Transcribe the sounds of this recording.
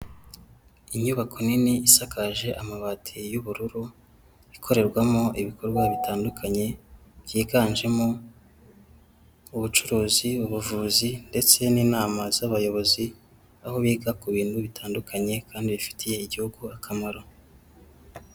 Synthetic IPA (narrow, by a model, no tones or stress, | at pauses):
iɲuβakʰo̞niniisakaʒe̞ʔamaβaːtʰijuβuɾuɾu | ikʰo̞ɾe̞ɾɡwamo̞ʔiβikʰo̞ɾɡwaβitaːndukʰaɲe̞βjiːɡaːnʒe̞mo | uβut͡ʃuɾuːziuβuvuːzinde̞t͡se̞niːnaːmazaβajo̞βo̞zi | aho̞βiːɡakuβiːn̥huβitʰaːndukʰaɲe̞kaːndiβifi̥tʰije̞iɟihuɡuakʰamaɾo̞